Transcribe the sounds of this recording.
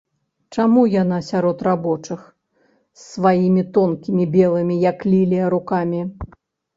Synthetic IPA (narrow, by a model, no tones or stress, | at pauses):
t͡ʂamujanasʲaɾɔt̪rabɔt͡ʂɨx | sːvajimʲit̪ɔnkʲimʲibʲɛlˠɨmʲijɐklʲilʲijɐɾukamʲi